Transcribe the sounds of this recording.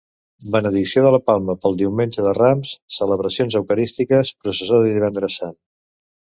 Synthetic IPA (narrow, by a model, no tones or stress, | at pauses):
bənəðiksioðələpalˠməpəlˠd̪iwmenʲʒəðəramssələβɾəsionzəwkəɾist̪ikəspɾusəsoðəðiβ̞ɛnd̪ɾəsan